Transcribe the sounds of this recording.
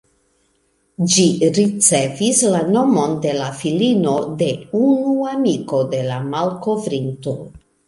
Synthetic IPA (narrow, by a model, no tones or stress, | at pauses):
d͡ʒiɾit͡se̞vislano̞mo̞nde̞lafilino̞de̞unuamiko̞de̞lamalko̞vɾinto̞